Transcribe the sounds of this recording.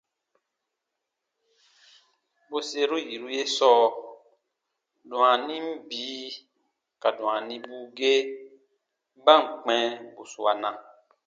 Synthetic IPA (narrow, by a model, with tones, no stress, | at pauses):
bo˦se˦ɾu˦ji˨ɾu˦je˦sɔː˦ | dũ˨ã˨nĩ˦m̩˦biː˨˦ | ka˨dɔ̃˨ã˨nĩ˦buː˦ɡe˦ | ba˦˨ŋ̩˨k͡pɛ̃˦bo˨su˨a˨nã˨